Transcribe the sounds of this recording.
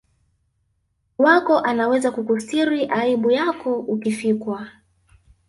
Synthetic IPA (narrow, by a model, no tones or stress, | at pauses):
wakɔʔanawɛzakukusiɾiʔaiɓujakɔukifikwa